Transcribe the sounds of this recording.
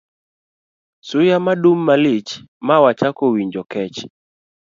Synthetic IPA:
sʊjamadumːalet͡ʃ | mawat͡ʃakowiɲd͡ʒɔkɛt͡ʃ

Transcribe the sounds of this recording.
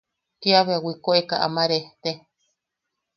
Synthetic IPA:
kiaβeawikoekaʔa̰maɾeht̪e

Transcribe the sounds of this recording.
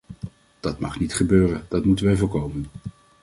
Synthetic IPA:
d̥ɑtmɑχnitχəbøːrənd̥ɑtmutənʋɛjvʊːɹkowmən

